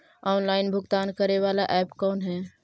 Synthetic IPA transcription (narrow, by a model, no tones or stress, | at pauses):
ɔːnlaːɪnbʱʊɡt̪aːnkəɾeʋaːlaʔɛːpkɔːnɦɛː